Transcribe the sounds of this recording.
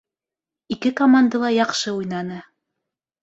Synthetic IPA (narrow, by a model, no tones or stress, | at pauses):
ikɘkomand̪əlˠɑjɑqʃɤujnɑnɤ